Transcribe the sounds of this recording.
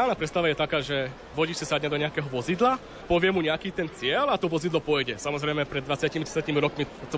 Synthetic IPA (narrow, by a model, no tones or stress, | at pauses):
aːlnaːpɾɛt̪st̪aʋajɛt̪akaːʒɛ | ʋɔɟiːt͡ʃsisad̪ɲɛd̪ɔɲɛakɛɦɔʋɔzid̪la | pɔʋɪɛmuɲɛakiːt̪ɛnt͡sɪɛlat̪ɔʋɔzid̪lɔpɔjɟɛsamɔzɾɛjmɛpɾɛd̪d̪ʋat͡sɪaciːmidɛsɪaciːmiɾɔkmit̪ɔ